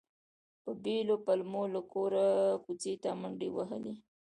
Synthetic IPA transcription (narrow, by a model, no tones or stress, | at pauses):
pəbelopalmolakoɾakut͡set̪amaɳɖiwaɦə̰li